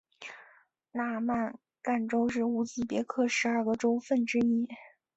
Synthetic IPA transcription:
la˥˧ma˥˩n | ka˥˩nʈ͡ʂo˥ʊʂ̬ɻ̩˥˩u˧˥t͡ɕi˥˩pjɛ˧˥kʰɤ˥˩ʂɻ̩˧˥ɐ˞˥˩ɡə˨ʈ͡ʂo˥ʊfə˥˩nʈ͡ʂɻ̩˥i˥

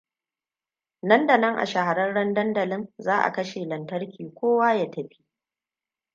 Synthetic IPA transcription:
nɐ˦ndɐ˨nɐ˦ŋʔa̰˨ʃa˨ha˨ɾɐ˦nɽɐ˦ndɐ˦ndɐ˨lɪ˦nzaː˦ʔa̰˨kɐ˦ʃeː˨lɐ˨ntɐ˦rkʲiː˨kʷoː˦waː˦jaː˦tɐ˨ɸi̥˦ʔ

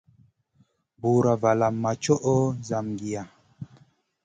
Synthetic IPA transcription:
bu˨ɾa˨va˨la˨mːa˨t͡ʃɔ˦ʔɔ˦za˨mɡi˨a˨

